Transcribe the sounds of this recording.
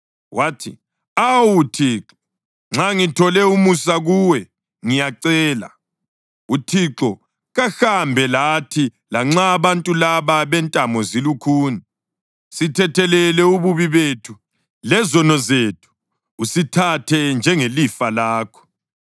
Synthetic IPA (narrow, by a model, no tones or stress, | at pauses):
wʔatʰḭ | awutʰiːǁɔ | ŋ͡ǁaŋitʰɔlɛumusaɣuwɛ | ŋijaǀɛːla̰ | utʰiǁɔ | ɣaxambʱɛlatʰi | laŋ͡ǁaːβantʼulaβaβɛntʼamɔzilukʰuːni | sitʰɛtʰɛlɛlɛuβuβiβetʰu | lɛzɔnɔzetʰu̥ː | sitʰatʰɛnd͡ʒʱɛŋelifalaːkʰɔ̥